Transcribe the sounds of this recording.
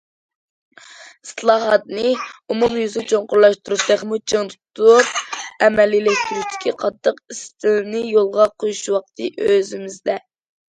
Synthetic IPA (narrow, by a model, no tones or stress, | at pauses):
i̥slˠɑːɦɑt̪̚nɨumumjyzɡʲɛt͡ʃʰoɴqʊɾlˠɑʃt̪uɾuʃt̪ɛχmut͡ʃʰəŋt̪ʰut̪ʰuupɛmɛlilɛkʲt̪yɾyʃt̪ʰɪ̥kʲʰiqʰɑt̪ʰːəqist̪ʰɪlnɪjolˠʁɑqʰojuʃwɑq̚t̪ʰɨʔøzɪmɪzd̪ɛ